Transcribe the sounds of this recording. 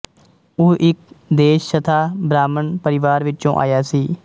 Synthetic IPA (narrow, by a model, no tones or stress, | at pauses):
oːʔɪk̚d̪eːʃsət̪ʰaːbɾaːmənpəɾɪʋaːɾʋɪt͡ʃõ̰ːʔa̰ːjaːsiː